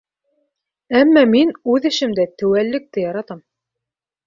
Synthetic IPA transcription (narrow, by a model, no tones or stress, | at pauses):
æmːɑminʉðɘ̆ʃɘ̆md̪æt̪ɘ̆wælːɘ̆k̚t̪ɘjɑɾɑt̪ɑm